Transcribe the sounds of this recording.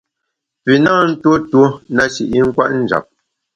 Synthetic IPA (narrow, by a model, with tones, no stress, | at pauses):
pi˨naː˦˨n̩˦to˦two˦na˦ʃḭ˨ʔi˦ŋ̩˦kwa˦ʔn̩˨d͡ʒa̰˨p̚